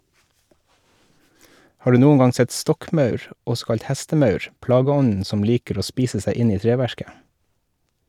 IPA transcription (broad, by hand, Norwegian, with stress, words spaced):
ˈhɑː ˈɖʉː ˈnuːən ˈɡɑŋ ˈsɛt ˈstɔkˌmɑʉɹ ˈɔsɔ ˈkɑʎc ˈhæstəˌmɑʉɹ ˈplɑːɡəˌɔnn̩ ˈsɔm ˈliːkəɾ ˈoː ˈspiːsə ˈsæɪ ˈɪn ˈiː ˈtɹeːˌʋæɹkə